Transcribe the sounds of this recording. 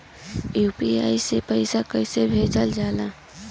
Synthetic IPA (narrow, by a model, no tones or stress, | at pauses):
jupiaisepəɪsakəɪsebʱet͡ʃəld͡ʒala